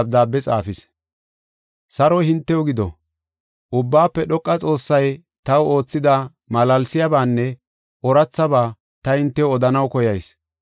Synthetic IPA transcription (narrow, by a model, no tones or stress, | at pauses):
b̚d̪aːbːɛt͡sʼa̰ːfɪs | sɐɾɔhɪnt̪ːɛwʊɡɪd̪ɔ̰ | ʔʊbːaːpːɛɗɔkʼːɐt͡sʼo̞ːsːɐj | t̪ɐwo̞ːt͡sːɪd̪a | mɐlɐlsɪjabaːnːɛ | ʔɔɾɐt͡sːɐbaː | t̪ɐhɪnt̪ːɛwɔd̪ɐnɐwkɔjɐjs